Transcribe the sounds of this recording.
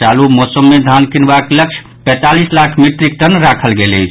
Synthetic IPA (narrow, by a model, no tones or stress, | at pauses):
alumɔsəmːed̪ʱankinbakləkt͡ʃʰ | pɛ̃t̪alislakʰmiʈɾikt̪ənɾakʰəlɡelə̰t͡ʃʰ